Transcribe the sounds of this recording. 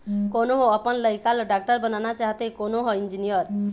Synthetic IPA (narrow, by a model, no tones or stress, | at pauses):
konoɦoəpənləjkalɖak̚ʈəɾbənanat͡ʃaɦt̪ekonoɦɔind͡ʒinijəɾ